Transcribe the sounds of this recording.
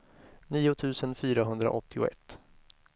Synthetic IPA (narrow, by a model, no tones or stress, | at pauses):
niːʊt̪ʰʉ̟ːsənfyːɾaɦɵnd̪ɾa̰ʔɔt̪ːɪʊ̰ɛ̰t̪ː